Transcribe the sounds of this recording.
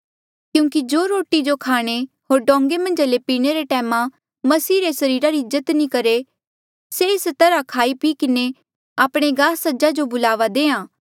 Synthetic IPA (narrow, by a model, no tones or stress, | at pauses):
kjũːŋkid͡ʒoːɾoːʈid͡ʒokʰaːɽ̃e | ɦoːɾɖɔ̃ːŋɡemɐ̃nd͡ʒalepiːɽ̃eɾeʈɛːmã | mɐsiːɾesɐɾiːɾaɾɪzət̪nĩkɐɾe | seɪst̪ɐɾakʰaːipiːkɪne | aːpɽ̃eɡaːsɐd͡ʒad͡ʒobʊlaːʋad̪ẽːãː